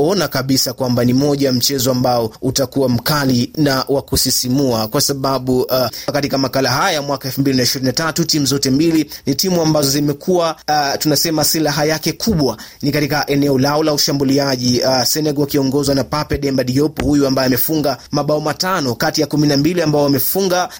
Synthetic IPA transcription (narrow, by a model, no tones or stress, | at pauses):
ɔnakaɓisakwambanimɔʄam̩t͡ʃɛzɔambaɔutakuwam̩kalinawakusisimuakwasaɓaɓukatikamakalaɦajajamwakaɛlfum̩bilinaiʃiɾinatatutimuzɔtɛmbilinitimuambazɔzimɛkʰuwatunasɛmasilaɦajakɛkʰuɓwanikatikaʔɛnɛɔlaɔlauʃambuliaʄiasɛnɛɡɔwakiɔŋɡɔzwanapapɛɗɛmbaɗiɔpɔhujuambajɔamɛfuŋɡamaɓaɔmatanɔkatijakuminambiliambaɔamɛfuŋɡa